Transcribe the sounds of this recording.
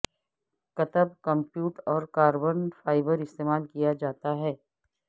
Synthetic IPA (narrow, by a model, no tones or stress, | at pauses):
kɐt̪əbkə̃mpjuːʈɔːɾkaːɾbənfaːɪbəɾɪst̪eːmaːlkijad͡ʒaːt̪aɦɛː